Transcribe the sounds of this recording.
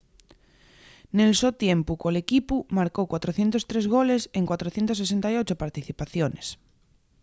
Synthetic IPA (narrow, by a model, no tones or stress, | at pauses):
nelsot̪jempukolekipumaɾkowkwat̪ɾoθje̞nt̪ost̪ɾezɣoleseŋkwat̪ɾoθje̞nt̪os̬esent̪ajot͡ʃopaɾt̪iθipaθjones